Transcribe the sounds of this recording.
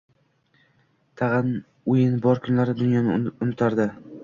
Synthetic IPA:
t̪ʰɑʁɑn | ʊjɪnbɒɾkʰʊnlaɾɪd̪ʊnjɒnʊnɪt̪ʰaɾd̪ɪ

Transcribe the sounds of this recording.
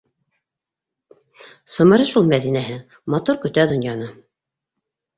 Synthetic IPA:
sɤ̆mɤ̆ɾɤʃulˠmæðinæɦɘ | mɑt̪uɾkɵ̆t̪æd̪ŏnjɑnɤ

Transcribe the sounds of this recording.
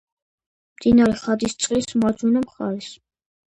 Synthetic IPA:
md̪inɑɾiχɑd̪ist͡sʼχismɑd͡ʒunumχɑɾis

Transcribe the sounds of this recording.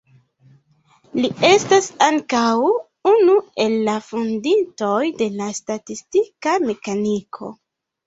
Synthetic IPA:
lie̞stasaŋkaw | unue̞lːafundinto̞jde̞lastatistikame̞kanikʰo̞̰

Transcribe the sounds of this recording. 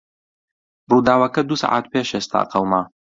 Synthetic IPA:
bruːd̪aːwɐkɐd̪usa̰ʕʔa̰ːt̪̚peːʃest̪a̰ːqɐwmaː

